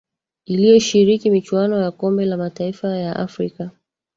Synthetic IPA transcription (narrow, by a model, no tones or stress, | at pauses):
ilijɔʃiɾikimit͡ʃuwanɔjakɔmbɛlamataifajaʔa̰fɾika